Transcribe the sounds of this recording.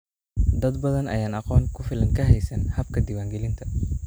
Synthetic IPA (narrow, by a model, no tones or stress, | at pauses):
d̪ɐd̪bɐðɐnɐ̰jaːnɑqɔːŋkʰʊfɪlɐŋkʰɐɦɛjsɐnhɐb̚kʰɐd̪iːwaːŋɡɛlɪnt̪ʰɐ